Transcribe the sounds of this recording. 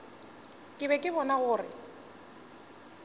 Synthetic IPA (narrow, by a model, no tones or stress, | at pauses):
kʼɪbɛkʼɪbɔnaɣʊːrɪ̰